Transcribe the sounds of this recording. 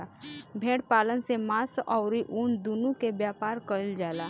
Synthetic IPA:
abʱẽːɽpaːlənsemãːsɔːʊɾiʔuːnd̪unũkebjaːpaːɾkəld͡ʒaːla

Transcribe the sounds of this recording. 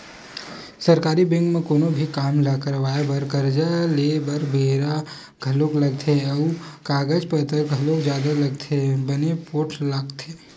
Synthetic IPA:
səɾkaːɾibɪ̃ŋɡmẽkoːnobʱikaːmlakəɾʋaːjabəɾkəɾd͡ʒaleːbəɾbʱeːɾa | ɡ̥ʱɐloklɐɡt̪ʰeəkaːɡəd͡ʒpət̪əɾɡʱəlokd͡ʒjaːd̪alɐɡt̪ʰebənepoːʈʰləɡt̪ʰeː

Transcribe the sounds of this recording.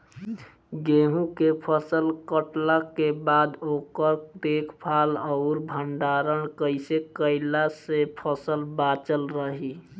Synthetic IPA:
ɡeɦũkepʰəsəlkəʈlakebad̪okəɾd̪ekʰpʰaləʊɾbʱəɳɖaɾəɳkəɪsekəɪlasepʰəsəlbat͡ʃəlɾəɦi

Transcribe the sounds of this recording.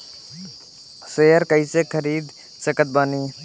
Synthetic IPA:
seːəɾkəisekʰəɾiːd̪ | səkət̪̚baniː

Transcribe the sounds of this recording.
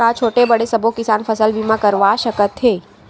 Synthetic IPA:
at͡ʃʰoːʈebəɽesɐbʱokɪsaːnfəsəlbiːmãkəɾʋaʃəkət̪ɦeː

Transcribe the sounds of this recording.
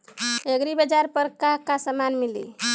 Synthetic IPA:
eɡɾibəd͡ʒaɾpəɾkakasəmanmilḭ

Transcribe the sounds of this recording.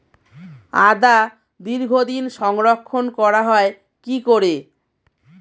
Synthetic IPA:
ad̪a | d̪iɾɡʱod̪inʃɔŋɾokʰːonkɔɾaɦɔe | kikoɾe

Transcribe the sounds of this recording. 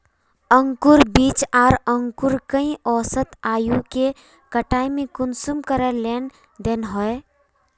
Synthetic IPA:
əŋkuɾbiːt͡ʃaːɾəŋkuɾkəĩʔɔːsət̪aːjuke | kəʈaːjmẽkʊnsumkəɾəlen | d̪enɦɔe

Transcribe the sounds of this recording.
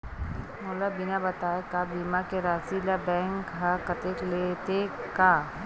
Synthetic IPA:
moːlabɪnabɐt̪aːekabiːmakeɾaːsilabɛ̃ːŋkɦakɐt̪eklet̪ekaː

